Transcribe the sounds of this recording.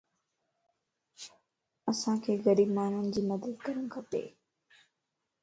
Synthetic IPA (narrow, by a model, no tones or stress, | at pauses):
ɐsãkʰeːɣɐɾiːbmaːn̤ʊnɪ̆d͡ʑiːmɐd̪əd̪kɐɾəñkʰɐpḛː